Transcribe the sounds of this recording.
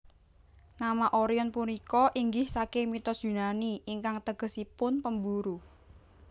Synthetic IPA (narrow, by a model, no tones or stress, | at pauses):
namaʔoɾiɔnpunikɔʔiŋɡɪhsakemit̪ɔdd͡ʒ̥ʒ̥ṳnaniiŋkaŋt̪əɡ̥ə̤sipʊnpəmbuɾu